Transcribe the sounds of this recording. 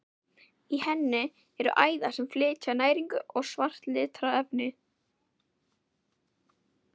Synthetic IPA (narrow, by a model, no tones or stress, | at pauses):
ihɛnːɪ | ɛɾʏ̰ʔaːjðasɛmflɪːcanaːjɾiŋkʏɔɣsvar̥t̪lɪt̪ʰɾawɛvnɪ